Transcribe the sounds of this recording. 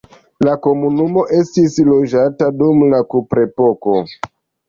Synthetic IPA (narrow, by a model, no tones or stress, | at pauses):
lako̞munumo̞ʔe̞stislo̞d͡ʒatadumlakupɾe̞po̞ko̞